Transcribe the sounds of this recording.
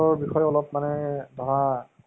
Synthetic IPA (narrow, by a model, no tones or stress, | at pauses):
ɔɹbixɔjɔlɔpmanɛdʱɔɹa